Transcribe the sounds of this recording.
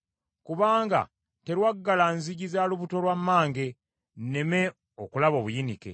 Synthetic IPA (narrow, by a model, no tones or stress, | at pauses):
kuβaːŋɡa̰ | te̞ɾwaɡːalanziɟizaluβuto̞lwamːaːŋɡe̞ | nne̞me̞ | okulaβo̞ːβujinike̞̰